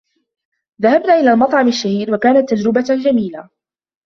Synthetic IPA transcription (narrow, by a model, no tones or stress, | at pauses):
ðahabnaːʔɪlaːlmɑt̪ˤʕɑmaʃːahiːɾwakaːnat̪ːad͡ʒɾɪbad͡ʒamiːla